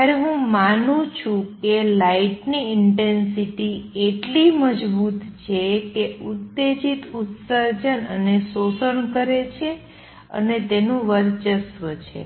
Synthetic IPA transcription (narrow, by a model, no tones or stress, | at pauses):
jaɾeɦũmanũt͡ʃʰũkelaiʈniɪɳʈensiʈieʈliməd͡ʒbut̪t͡ʃʰekeut̪ːed͡ʒit̪ut̪səɾd͡ʒənənesosəɳkəɾet͡ʃʰe | ə̰net̪enũʋəɾt͡ʃəsʋət͡ʃʰḛ